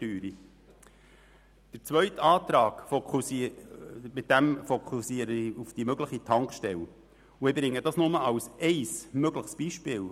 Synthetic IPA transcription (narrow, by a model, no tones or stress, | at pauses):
tyːɾi | d̥əɾt͡sʋœɥtɑːt̪ɾɑːɡ̥fou | mɪt̪̚d̥æmfokʰusiəɾəiufd̥imøɡləχitʰɑŋkʃtɛl | uɪbɾɪŋːədɑsnʊməɑwsʔɛɪsmøɡləχsb̥iʃpɪːl